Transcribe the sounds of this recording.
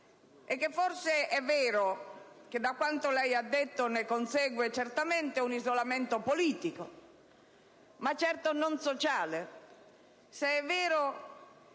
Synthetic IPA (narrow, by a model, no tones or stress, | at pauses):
ɛkːefːɔrseʔɛvːɛːɾok̟ed̪ːakːwant̪olɛjad̪ːet̪ːonekonsɛːɡwet͡ʃert̪ament̪eunizolament̪opoliːt̪iko | mat͡ʃːɛrt̪ononsot͡ʃaːle | seɛvːɛːɾo